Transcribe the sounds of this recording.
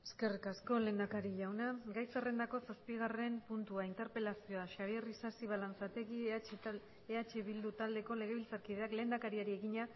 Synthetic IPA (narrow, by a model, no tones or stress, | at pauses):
e̥ske̞rikasko̞le̞ːnd̪akaɾiʎawnaɡajsere̞nd̪ako̞saspiɣ̞are̞mpunt̪uaint̪e̞ɾpe̞lasio̞aʃaβierisasiβ̞alant͡sat̪e̞ɣi | eat͡ʃe̞βild̪ut̪ald̪e̞ko̞le̞ɣ̞e̞βilt͡saɾkiðe̞akle̞ːnd̪akaɾiaɾie̞ɣiɲa